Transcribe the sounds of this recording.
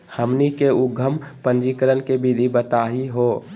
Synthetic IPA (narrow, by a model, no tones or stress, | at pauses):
həmnikeʊɡʱəmpə̃nd͡ʒikəɾənkebid̪ʱibət̪aːɦiɦoː